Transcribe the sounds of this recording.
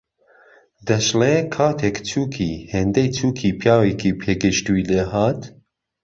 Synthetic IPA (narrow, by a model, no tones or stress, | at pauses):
d̪ɛʃlekʰɑːt̪ʰekt͡ʃʰuːkʰiːheːnd̪ɛjt͡ʃʰuːkʰiːpʰjɑːwekʰiːpʰeːɡɨʃt̪ujleɦɑːt̪